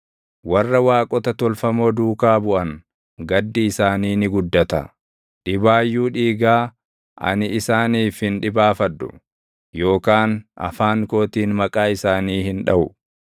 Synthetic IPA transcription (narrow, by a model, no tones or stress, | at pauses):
wɐrːɐwaːkʼɔt̪ɐt̪ɔlfɐmo̞ːd̪uːkaːbʊʔɐŋ | ɡɐd̪ːɪɪsaːniːnɪɡʊd̪ːɐt̪ɐ̰ | ᶑɪbaːjːuːᶑiːɡaː | ʔɐ̰nɪɪsaːniːfhɪnᶑɪbaːfɐᶑːʊ̥̰ | jo̞ːkaːnʔɐ̰faːŋko̞ːt̪iːnmɐkʼaːɪsaːniːhɪnᶑɐʔʊ